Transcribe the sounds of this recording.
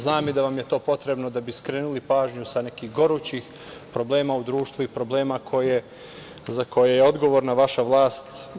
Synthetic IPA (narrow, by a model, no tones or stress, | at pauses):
znaːmid̪aʋamjet̪o̞ːpo̞t̪ɾe̞bno̞d̪abiskɾeːnulipaːʒɲusane̞kiːɣɡo̞ɾut͡ɕix | pɾo̞ble̞ːmaːud̪ɾuːʃt̪ʋuipɾo̞bleːmakʰo̞je | zako̞jejeo̞d̪ɡo̞ʋo̞ːɾnaʋaʃaʋlˠaːst̪